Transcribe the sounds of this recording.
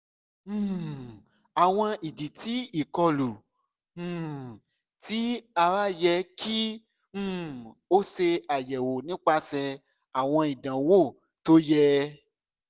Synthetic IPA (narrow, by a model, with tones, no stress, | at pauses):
a˨w̃ɔ̃˧i˨di˨ti˨˦i˨kɔ˧lũ˨˦˨ | ti˨˦a˧wa˦jɛ˧kʰĩ˦ | o˦se˧a˨jɛ˨wo˨nĩ˦k͡pa˧sɛ˧ | a˨w̃ɔ̃˧i˨dã˨wo˦˨ | to˦jɛ˦